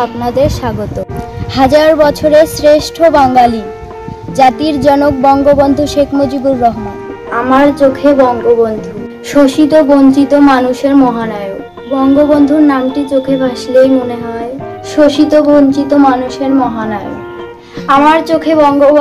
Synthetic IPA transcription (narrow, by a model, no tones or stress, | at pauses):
apnad̪eɾʃaɡot̪ohad͡ʑaɾbɔt͡ɕʰoɾesɾeʃʈʰobaŋɡali | d͡ʑat̪iɾd͡ʑɔnok̚bɔŋɡobond̪ʱuʃekʰmod͡ʑibuɾːɔɦman | amaɾt͡ɕokʰebɔŋɡobond̪ʱu | ʃoʃit̪oboɲt͡ɕit̪omanuʃeɾmɔɦanajo | bɔŋɡobond̪ʱuɾnamʈit͡ɕokʰebʱaʃlejmoneɦɔe | ʃoʃit̪obont͡ɕit̪omanuʃeɾmɔɦanaeo̰ | amaɾt͡ɕokʰebɔŋɡo